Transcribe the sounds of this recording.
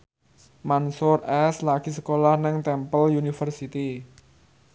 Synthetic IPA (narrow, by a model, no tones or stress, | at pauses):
mansʊrʔɛslaɡ̥isə̥kolahnɪŋt̪ɛmpəljunifərsit̪i